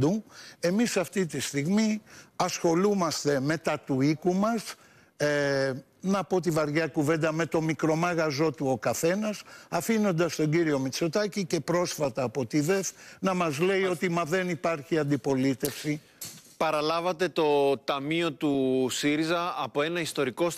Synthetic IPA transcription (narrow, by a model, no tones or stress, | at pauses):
d̪ue̞misɐft̪it̪ist̪iɣmiɐsxo̞lumɐst̪e̞me̞t̪ɐt̪uikumɐs | nɐpo̞t̪̬ivɐɾʝɐkuve̞nd̪ɐme̞t̪o̞mikɾo̞mɐɣɐzo̞t̪uo̞kɐθe̞nɐsɐfino̞nd̪ɐst̪o̞ɲɟiɾio̞mit͡so̞t̪ɐcice̞pɾo̞sfɐt̪ɐːpo̞t̪iðe̞fnɐmɐzle̞io̞t̪imɐðe̞nipɐɾçiɐnd̪ipo̞lit̪e̞fsi | pɐɾɐlɐvɐt̪e̞t̪o̞t̪ɐmio̞t̪usiɾizɐːpo̞e̞nɐist̪o̞ɾiko̞s